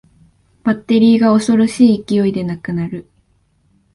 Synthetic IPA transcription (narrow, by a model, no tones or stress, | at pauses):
b̥at̪ːe̞ɾʲiːɡao̞so̞ɾo̞ɕiːkʲijo̞id̪e̞nakɯ̟naɾɯ̟